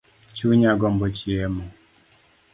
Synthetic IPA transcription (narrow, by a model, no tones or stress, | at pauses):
t͡ʃuɲaɡɔmbɔt͡ʃiɛmɔ